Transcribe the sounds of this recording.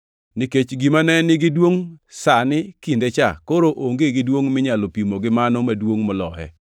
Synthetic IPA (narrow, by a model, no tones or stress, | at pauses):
niket͡ʃɡimanɛnɪɡɪdwoŋsanɪkindet͡ʃakoɾoʔoŋɡeɡɪdwoŋmɪɲalopimoɡɪmanɔmadwoŋmɔlɔhɛ̰